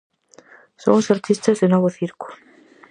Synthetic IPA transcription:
so̰ŋsaɾt̪ʰist̪azðenoβoθiɾku̥

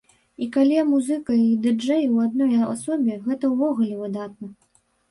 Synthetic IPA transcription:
ikalʲimuzɨkɐid̪ɨd͡ʐɛjwad̪̚nɔja̰sɔbʲɛɣɛt̪ɐwvɔɣulʲɛvɨd̪at̪̚nɐ

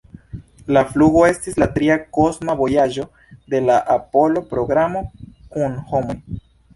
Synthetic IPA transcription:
lafluɣo̞e̞stislatɾiako̞smabo̞jaʒo̞ | d̪e̞laʔapo̞lo̞pɾo̞ɡɾamo̞kunhomoj

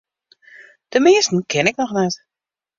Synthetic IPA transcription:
d̥əmɪəstn̩kʰɪnɪk̚nɔxnɛt

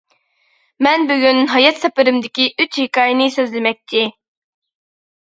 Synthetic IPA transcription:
mɛnbyɡʲynɦɑjɑt̪sɛpɪɾɪmd̪ɪkʲiʔyt͡ʃhikɑːjɪnɪsøzlɪmɛk̚ʲt̪ʰɪ

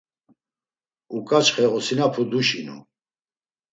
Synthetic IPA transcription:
ukʼat͡ʃχɛɔsinapʰud̪uʃinṵ

